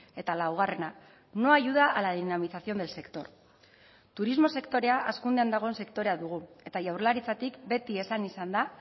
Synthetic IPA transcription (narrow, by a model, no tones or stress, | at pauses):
e̞t̪alawɣ̞are̞na | no̞aʝuð̞aʔalaðinamisasio̞nd̪else̞kt̪o̞ɾ | t̪uɾizmo̞se̞kt̪o̞ɾe̞aʔaskund̪e̞and̪aɣo̞ense̞kt̪o̞ɾe̞aðuɣ̞ue̞t̪aʝawrlaɾit͡sat̪ikbe̞t̪ie̞sanisand̪a